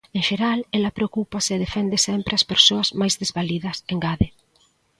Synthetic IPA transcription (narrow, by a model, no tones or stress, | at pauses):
ẽŋʃeɾalelɐpɾeokupɐsɪðefɛnd̪ɪsɛmpɾɪɐspeɾsoɐzmajzðezβaliðɐseŋɡaðɪ